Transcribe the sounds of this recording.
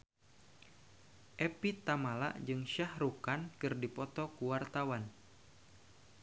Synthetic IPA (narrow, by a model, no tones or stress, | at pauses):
ʔɛpit̪amala̰ʔd͡ʒɨŋʃahɾukankɨrdipɔt̪ɔkuwart̪awan